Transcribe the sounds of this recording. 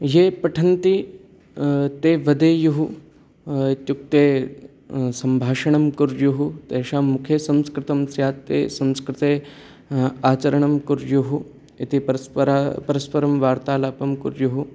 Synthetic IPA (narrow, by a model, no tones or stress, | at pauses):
jeːpɐʈʰɐnt̪i | t̪eːʋɐd̪eːjuɦu | it̪juk̚t̪eː | sɐmbʱaːʃɐɳɐmkuɾjuɦut̪eːʃaːmukʰjesɐ̃mskɾɪt̪ɐmsjaːt̪ːeːsɐ̃mskɾɪt̪eː | aːt͡ʃɐɾɐɳɐmkuɾjuɦu | it̪ipɐɾapɐɾɐspɐɾɐmʋaːɾt̪aːlaːpɐmkuɾjuɦu